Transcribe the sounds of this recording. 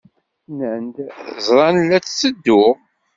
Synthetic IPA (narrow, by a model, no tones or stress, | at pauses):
nənd̪zˤɾˤɑnlːæt͡st͡sːəd̪ːʊʁ